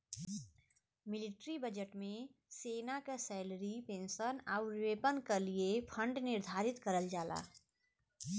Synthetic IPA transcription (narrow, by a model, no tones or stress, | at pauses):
mɪlɪʈɾibəd͡ʒəʈmẽseːnakasɛɪləɾipẽːnsənaːʊɾʋeːpənkaliepʰə̃ɳɖnɪɾd̪ʱaːɾɪt̪kəɾəld͡ʒaːla̰ː